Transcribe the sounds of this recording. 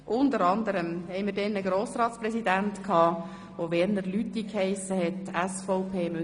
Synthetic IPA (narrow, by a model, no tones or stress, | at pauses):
ʔʊntəɾɑnd̪əɾəmhɛɪmiːɾdɛnəɡɾoːsɾɑːtsprɛsidæntkʰɑː | ʋoʋɛːɾnəɾlytːikhɛɪsəhɛtæsfoʊpʰeːmø